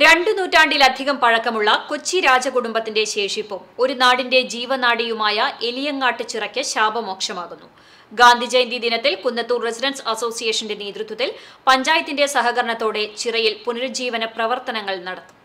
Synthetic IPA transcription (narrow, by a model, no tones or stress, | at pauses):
ɾe̞ɳɖɨnuːtːaːɳɖilɐd̪ʱiɣɐmpɐɻɐkːɐmuɭːɐkot͡ɕːiɾaːd͡ʑɐkuɽumbɐt̪ːinde̞ɕe̞ːʂipːomo̞ɾunaːɽinde̞d͡ʑiːʋɐnaːɽijumaːjɐelijɐŋːaːʈːɨt͡ɕirɐkʲːɨɕaːbɐmo̞ːkʂɐmaːɣunːu | ɡaːnd̪ʱid͡ʑejnd̪id̪inɐt̪ːilkunːɐt̪ːuːresidɐnsɐso̞ːsijeːʂɐndeneːd̪rut̪wɐt̪ːilpɐɲd͡ʑaːjɐt̪ːinde̞sɐɦɐɣɐɾɐɳɐt̪ːo̞ːɽe̞t͡ɕirɐjilpunɐɾud͡ʑiːʋɐnɐprɐʋɐrt̪ɐnɐŋːɐɭnɐɽɐt̪ːu̥m